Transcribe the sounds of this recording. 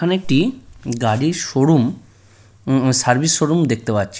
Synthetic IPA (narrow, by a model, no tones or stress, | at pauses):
aneek̚ʈiɡaɽiʃoɽum | saɾbisʃoɽumd̪ek̚ʰt̪epatːɕʰi̥